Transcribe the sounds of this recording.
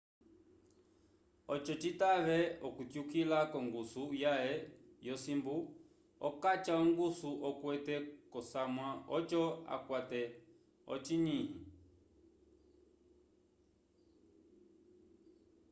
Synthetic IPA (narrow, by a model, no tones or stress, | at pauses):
ɔt͡ʃɔt͡ʃitaβɛɔkutjukilakɔŋɡusujaɛ | jɔsimbu | ɔ̰kat͡ʃaɔŋɡusuʔɔkwɛtɛkɔsamwaɔt͡ʃɔa̰kwatɛ | ɔ̰t͡ʃiɲihi